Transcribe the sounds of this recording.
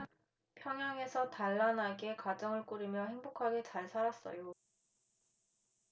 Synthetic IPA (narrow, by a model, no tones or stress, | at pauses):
pʰjʌŋjaŋe̞sʰʌtaɭːanaɡe̞kwad͡ʑʌŋɯɭk͈uɾimjʌhe̞ŋbokʰaɡe̞t͡ɕaɭsʰaɾas͈ʌ̰jo